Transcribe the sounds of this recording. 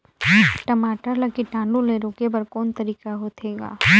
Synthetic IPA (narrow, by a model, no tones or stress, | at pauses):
ʈɐmaːʈəɾlɐkiʈãːnlũleɾoːkepɐɾkɔːnt̪ɐɾiːkaɦoːt̪ʰeːɡa̰ː